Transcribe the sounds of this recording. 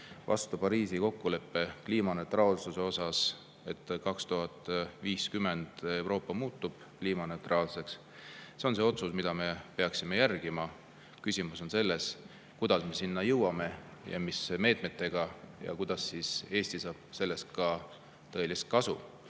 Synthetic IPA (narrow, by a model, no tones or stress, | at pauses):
vɑ̰st̪upɑɾiːsiko̞kːule̞pːe̞kliːmɑne̞wt̪ˑrɑːlsuse̞o̞sɑs | e̞t̪ːkɑkst̪uɦɑt̪ːˑviːskymːe̞nd̪̥e̞wɾo̞ːpːɑmuːt̪ːub̥ | kliːmɑne̞wt̪rʔɑːlse̞ks | se̞onse̞o̞t̪susmid̪̥ɑme̞peɑksime̞jærɡ̥imɑ | kysʲimuso̞nse̞lːe̞s | kud̪ɑsme̞sinːɑjɤwɑme̞jɑ̰misme̞ːt̪me̞t̪ːˑe̞ɡ̥ɑjɑ̰kujd̪̥ɑsːise̞ːsʲt̪isɑːb̥̚se̞lːe̞st̪̚kɑ | t̪ɤ̞e̞list̪̚kɑsṵ